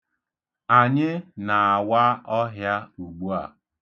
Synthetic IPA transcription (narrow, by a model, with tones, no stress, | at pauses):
a˨ɲɪ˦na˨a˨wa˦ɔ˦ɦja˦u˨ɡ͡bu˦a̰˨